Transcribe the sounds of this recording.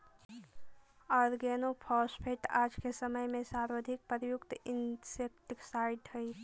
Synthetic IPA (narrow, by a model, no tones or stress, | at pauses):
ɔːɾɡeːnopʰɔːspʰeʈaːd͡ʒkesəməjmẽsaːɾwəd̪ʱɪk̚pəɾjʊkt̪ɪnsek̚ʈksaːɪʈhəi